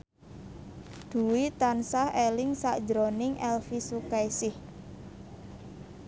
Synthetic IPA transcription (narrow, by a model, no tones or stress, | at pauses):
d̪̥ṳwit̪ansahelɪŋsa̰ʔd̥d͡ʒɾonɪŋʔɛlfisukajsɪh